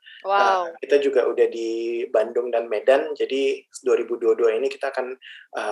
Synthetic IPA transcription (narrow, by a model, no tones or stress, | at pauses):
waəkit̪ad͡ʒuɡaʔudahdibandʊŋdanmedand͡ʒadiduaɾibuduaduainiki̥t̪aːkanʔə